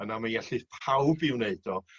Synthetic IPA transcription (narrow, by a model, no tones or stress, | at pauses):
ənamanjɛɬɨpʰawbɪwneɨdɔ